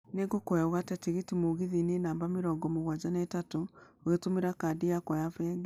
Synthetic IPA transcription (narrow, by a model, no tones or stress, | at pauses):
neɡokwɛɔɣatɛtiɣetimoɣiðinenaːmbameɾɔːɡɔmoɣwad͡ʒanɛtatooɣetomeɾakaːdiakɔjafɛːɡ